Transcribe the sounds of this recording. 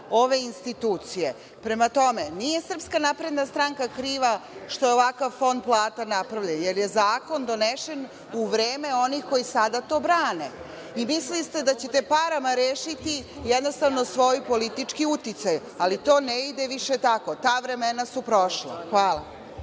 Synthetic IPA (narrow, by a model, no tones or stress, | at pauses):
o̞ʋe̞inst̪it̪uːt̪sije̞ | pɾe̞mat̪o̞menije̞sr̩pskanapɾe̞d̪nast̪ɾaŋkakɾiːʋaʃt̪o̞jeoʋakaʋfo̞nd̪̚plˠaːt̪anapɾaʋʎenjeɾje̞zaːko̞nd̪o̞neʃe̞n | uʋɾeːmeo̞nixko̞jisad̪at̪o̞ːbɾaːne | imislist̪ed̪at͡ɕet̪epaɾamaɾeːʃit̪ijɛd̪no̞st̪aʋnosʋo̞jipo̞lit̪it͡ʂkiut̪it̪saj | alit̪o̞ːneid̪eʋiʃet̪ako̞t̪aːʋɾemenasupɾo̞ʃlˠa̰xʋaːla̰